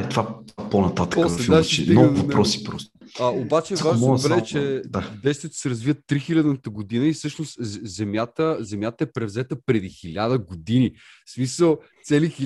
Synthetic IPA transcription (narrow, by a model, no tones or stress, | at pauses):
ɛt̪vat̪aponɐt̪at̪ə̥pɔslɛainovɐnpɾɔsi̥pɾɔst̪o̥ɐobat͡ʃɛvaʒnmbɾɛɛt͡ʃɛd̪ad̪ɛjst̪vijət̪o̥sɛɾɐzvivət̪ːɾixilʲɐd̪nət̪əɡod̪inəisɤʃnost̪zɛmjat̪əzɛmʲjat̪əɛpɾɛvzɛt̪əpɾɛd̪ixilʲad̪əɡod̪ini | smisəlˠt̪sɛlix